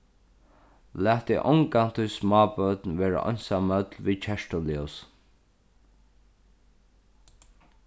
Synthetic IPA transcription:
læːt̪ɪʔɔŋkan̥t̪ʰʊjsmɑːbœt̪nʋeːɹa̰ʔɔ̰nsamːœt̪lviːt͡ʃʰɛʂtɔlius

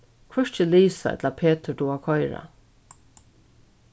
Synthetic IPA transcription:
kʰvɛʂt͡ʃəliːsaɛ̰t̪lapʰeːt̪ʰəd̪uakʰɔjɾa̰

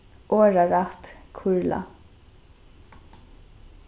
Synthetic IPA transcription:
ʔoːɹaɹat̪kʰʊɹla̰

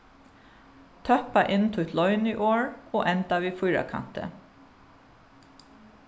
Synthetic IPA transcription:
t̪ʰœpaʔɪnt̪ʰʊt̪lɔʏniːʔoːɹoːʔɛnt̪aʋiːfʊjɹa̰kʰa̰n̥t̪ə̰

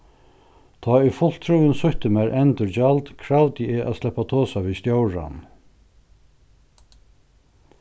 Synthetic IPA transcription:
t̪ʰɔːʏfʊl̥t̪ʰɾuːənsʊçt̪əmæɾʔɛnt̪ʏɹt͡ʃalt̪kʰɾawt̪ɪɛːʔa̰slɛhpːat̪ʰoːsaʋiːst̪jowɹa̰n

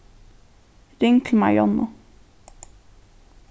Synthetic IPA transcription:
ɾɪŋklma̰jɔnʊ

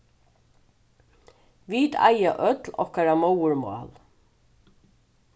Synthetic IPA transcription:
ʋiːd̪a̰jaʔœt̪lɔ̰hkaɾamowəɹmɑ̰ːl

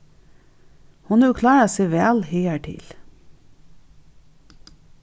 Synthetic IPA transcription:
hʊnʉːkʰlɑːɑseːʋæːlhiːæʈʰɪ̰l

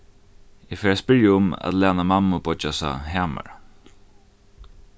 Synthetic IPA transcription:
ɛfɛːɹaspɪɹjaʊma̰t̪lɛːnamamːʊbɔt͡ʃasa̰ɦaːma̰ɹ

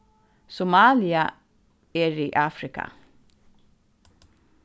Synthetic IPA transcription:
sʊmaːlɪa | ɛɹiːʔaːfɾɪka̰

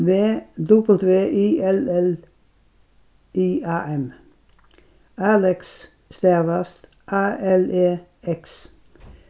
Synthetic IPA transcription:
ʋeːd̪ʊbl̩t̪ʰʋeːʔiːɛlɛl | iːɑːʔɛm | ɑːlɛks | st̪æːʋɑst̪ | ʔɑːʔɛleː | ɛks

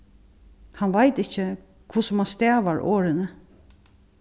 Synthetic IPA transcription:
hanʋajt̪ɪt͡ʃːə | kʰʊsəmanst̪ɛːʋaɹʔo̰ːɾɪnə

